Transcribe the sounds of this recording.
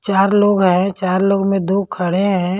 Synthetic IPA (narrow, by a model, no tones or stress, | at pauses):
t͡ʃaːɾloːɡɦɛ̃t͡ʃaːɾloːɡmẽd̪oːkʰɐɽeɦɛ̃